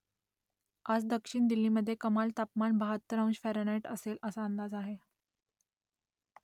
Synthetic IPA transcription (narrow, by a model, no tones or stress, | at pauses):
ad͡zd̪əkʂiɳd̪ilːiːməd̪ʱːjekəmalt̪apmaɳbəɦat̪ːəɾə̃w̃ɕfæɾɽaʈəseləsaənd̪ad͡zaɦe